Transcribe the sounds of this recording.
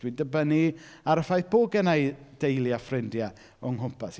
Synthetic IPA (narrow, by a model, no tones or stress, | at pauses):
widəbəniaɾəfajθb̥oːɡɛnajd̥ejlˠjafrɪndja | ɔŋhʊmpʰas